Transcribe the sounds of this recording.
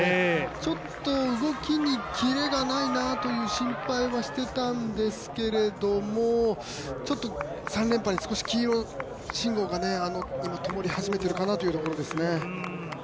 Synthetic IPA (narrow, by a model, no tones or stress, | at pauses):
et͡ɕo̞t̪ːo̞ɯ̟ɡo̞kʲiɲ̟ikʲiɾe̞ɡanainat̪o̞jɯ̟ːɕĩmpaiβaɕi̥t̪e̞t̪ãnd̪e̞sɨ̥ke̞ɾe̞d̪o̞mo | t͡ɕo̞t̪ːo | sãnɾʲẽ̞mpaɲ̟ːisɨ̥ko̞ɕi̥kʲiːɾo̞ | ɕĩŋɡo̞ːɡane̞ano̞imat̪o̞mo̞ɾʲihaʑime̞t̪e̞ɾɯ̟kanat̪o̞jɯ̟t̪o̞koɾo̞d̪e̞sɨne̞